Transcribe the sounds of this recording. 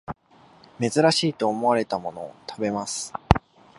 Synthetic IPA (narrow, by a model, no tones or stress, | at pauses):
me̞zɨɾaɕiːt̪o̞ːmo̞aɾe̞t̪amo̞no̞ːt̪ʰabe̞masɨ̥